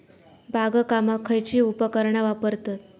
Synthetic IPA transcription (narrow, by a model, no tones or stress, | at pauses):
bʱaɡəkamakʰəjt͡ɕiːupəkəɾɳaʋapəɾt̪at̪̚